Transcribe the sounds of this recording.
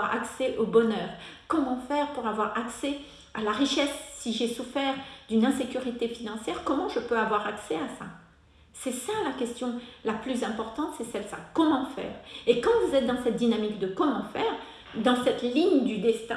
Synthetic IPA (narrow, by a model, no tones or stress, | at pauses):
aʁa̰ksɛʔobɔnœːʁkɔmɑ̃fɛʁpuʁavwaʁaksɛ | a̰laʁiʃɛsːiʒesufɛʁd̪ynɛ̃sekʲyʁit̪efinɑ̃sjɛʁkɔmɑ̃ʒəpøavwaʁaksɛasa̰ | sɛsalakʲɛst̪jɔ̃laplyzɛ̃pɔʁt̪ɑ̃t̪sɛsɛlsa̰kɔmɑ̃fɛ̰ːʁekɑ̃vuzɛt̪̚d̪ɑ̃sɛt̪̚d̪inamikd̪əkɔmɑ̃fɛːʁ | d̪ɑ̃sɛt̪liɲd̪yd̪ɛst̪ɛ̃